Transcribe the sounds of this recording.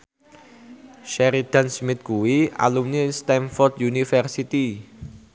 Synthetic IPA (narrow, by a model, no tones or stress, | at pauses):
ʃɛɾid̪̥a̤nsmɪt̪̚kuwia̰lumnist̪ɛnfɔrd̪junifərsit̪i